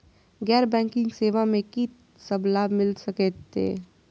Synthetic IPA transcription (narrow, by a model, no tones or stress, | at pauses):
ɡɛːɾbɛ̃ːŋkɪ̃ŋɡseːʋamẽki | səblabmɪlsɐket̪ḛː